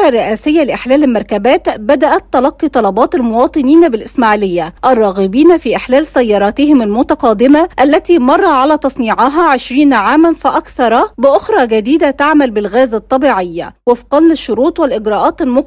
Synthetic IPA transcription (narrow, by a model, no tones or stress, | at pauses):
ɑrːɪʔæːsɪjːælɪʔɪħlæːlɪlmɑɾˤkæbæːt̪bæd̪æʔæt̪ːɑlɑqːit̪ˤɑlɑbɑːt̪almʊwɑːt̪ˤɨniːnbɪlʔɪsmaʕlɪjːæʔærˤːɑːɣɪbiːnfiːʔɪħlæːlsæjːɑːɾˤɑːt̪ɪhɪmælmʊt̪ɑqɑːd̪ɪmaʔælːæt̪iːmɑrˤːɑʕalæːt̪ɑsˤniːʕɑɦæʕɪʃɾiːnʕaːmænfɪʔɑkθɑɾˤɑbɪʔoxɾˤɑɡæd̪iːd̪æt̪aʕmælbɪlɣæːzæt̪ˤːɑbiːʕɪjːa̰wɪfiqɑnːɪʃːʊɾuːt̪ˤwɪlʔɪɡɾɑːʔɑːt̪almʊ